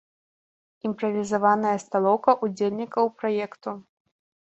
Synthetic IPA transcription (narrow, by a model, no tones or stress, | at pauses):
impɾɐvʲizavanɐjɐst̪alˠɔwkɐʔud͡zʲelʲnʲikɐwpɾɔjɛkt̪u